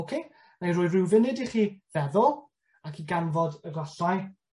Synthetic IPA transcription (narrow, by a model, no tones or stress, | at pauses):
okʰeː | najɾʊːjrɪwvɪnɪdiχiːðɛðɔlˠ | akʰiɡanvɔdəɡlaɬaj